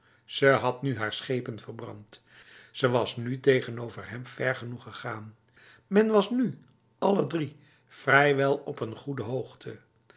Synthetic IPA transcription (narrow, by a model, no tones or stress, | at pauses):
z̥əɦɑtnyɦaːɹsχejpənvərbrɑ̰nt | səʋɑsnytejχənowvəɹɦɛmvɛɹχənuχəχaːn | mɛnʋɑsny | ɑlədri | frɛjʋɛlˠɔpənχudəɦowχtʰə